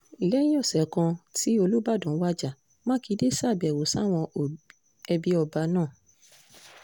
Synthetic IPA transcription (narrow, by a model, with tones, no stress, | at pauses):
lɛ˦jĩ˦ɔ˦˨sɛ˨kã˧ti˨˦o˧lu˦ba˦˨dũ˨˦wa˦d͡ʒa˦˨ | mã˦ki˧˦de˦sa˦˨bi˨ɛ˨wo˨sa˦˨w̃ɔ̃˧˨ | ɛ˧bi˧˦ɔ˧ba˧nãː˦˨